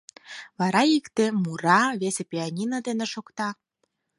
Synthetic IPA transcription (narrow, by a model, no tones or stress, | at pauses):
βɑɾɑikt̪emuɾɑβesepʲianʲinəd̪eneʃokt̪ɑ